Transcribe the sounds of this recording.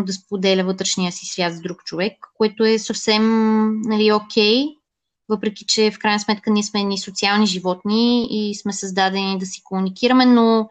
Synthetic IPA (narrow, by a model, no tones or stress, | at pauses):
d̪ɐspod̪ɛlʲəvɤt̪ɾɛʃnijəsisvʲjat̪zd̪ɾukt͡ʃovɛkːoɛt̪oɛsəfsɛmnɐliokʲʰɛj | vɤpɾɛk̟it͡ʃɛfkɾajnəsmɛt̪kəniɛsmɛɛnisot̪sialˠniʒivɔt̪niːsmɛsəzd̪ad̪ɛnid̪ɐsi̥komunikiɾəmɛno